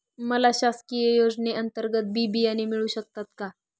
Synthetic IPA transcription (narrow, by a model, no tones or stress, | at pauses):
məlaɕaskijəjod͡ʑneʔənt̪əɾɡət̪̚bʱibiːjanemiɭuːɕək̚t̪at̪ka